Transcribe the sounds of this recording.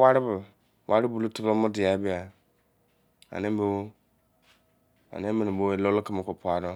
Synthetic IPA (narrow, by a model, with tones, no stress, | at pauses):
wa˦ɾbə˨ | wʔa˦ɾi˦bu˨lu˦tə˦ɾo˦mə˦di˨ja˨˦bi˦a˨ | a̰˨ne˦bo˦ | a̰˨ne˦mə˨nə˨bo˦e˦lo˦lo˦kə˨mə˨kɔ˨pu˨a˨ɾo˦